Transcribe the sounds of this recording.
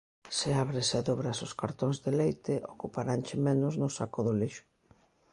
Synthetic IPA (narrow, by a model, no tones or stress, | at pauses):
sɪaβɾɪsaðoβɾasʊskaɾt̪oŋzðɪlejt̪ɪʔokupaɾant͡ʃɪmɛnʊznʊsakʊðʊliʃʊ̥